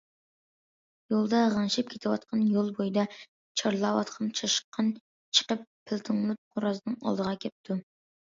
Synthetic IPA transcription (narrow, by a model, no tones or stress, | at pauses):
jolˠd̪ɑʁɑnʃɪp̚kʲʰet̪ʰɪwɑt̪̚qʰɑnjolˠbojid̪ɑ | t͡ʃʰɑɾlˠɑwɑ̰t̪qʰɑnt͡ʃʰɑʃqʰːɑn | t͡ʃʰə̥qəpʰːɪlt̪ʰɨŋlˠɨt̪̚qʰoɾɑznɨŋɑ̰lˠd̪əʁɑkʲʰɛp̚t̪ʰu